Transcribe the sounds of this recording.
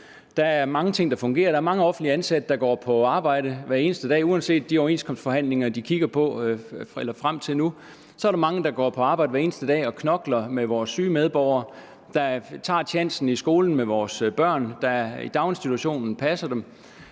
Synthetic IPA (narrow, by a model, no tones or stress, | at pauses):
d̥ɑ̈æɐmɑ̈ŋət͡sʰe̝ŋ̰d̥ɑ̈fɔ̽ŋɡ̥e̝̰ːɐɾ̥ɑæɐmɑ̈ŋəɒ̽fn̩d̥liəænsæd̥əd̥ɑ̈ɡ̥ɒ̰ːpʰɒ̽ɑ̈ːb̥ɑ̈ɪ̰ɾ̥əʋæɐe̝ːnəsd̥əd̥ɛ̰ːuænse̝̰ːd̥̚ːiɒʊe̝ːnskʰɒ̽msd̥fɒ̽ɦæn̰le̝ŋɐd̥ikʰiɡ̥ɐpʰɒ̽elɐfʁam̰t͡sʰe̝lnu | sɒ̽ɐɾɑ̈mɑ̈ŋəd̥ɑ̈ɡ̥ɒ̰ːpʰɒ̽ɑ̈ːbɑ̈ɪ̰dəʋæɐe̝ːnəsd̥əd̥ɛ̰ːɒ̽kʰnɒ̽ɡ̥lɐmeʋɒːsːyːmeð̞ˠb̥ɒʊ̰ɐ | d̥ɑ̈t͡sʰɑ̰̈ːt͡ɕʰæn̰sn̩isɡ̥o̝ːln̩meʋɒːsb̥ɶɐ̰nd̥ɑḭd̥ɑ̈ʊnsd̥it͡sʰuɕo̝̰ːnn̩pʰæsɐd̥em